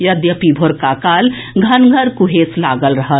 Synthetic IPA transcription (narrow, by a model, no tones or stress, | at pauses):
jəd̪jəpibʱoɾkakaːl | ɡʱɐnɡʱəɾkuɦeslaːɡəlɾəɦət̪